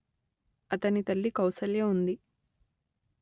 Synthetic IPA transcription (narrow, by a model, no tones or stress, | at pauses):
ɐt̪ɐnit̪ɐlːikɐwsɐljeːund̪i